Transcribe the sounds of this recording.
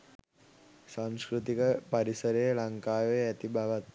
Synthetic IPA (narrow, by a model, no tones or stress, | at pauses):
saŋskɾut̪ikəpaɾisəɾəjəlaŋkaːʋeæt̪ibaʋat̪̚